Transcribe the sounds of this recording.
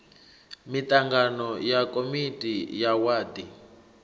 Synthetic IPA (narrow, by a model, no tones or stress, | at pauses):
mit̪ʼaŋɡanɔjakʼomitʼijawaːdi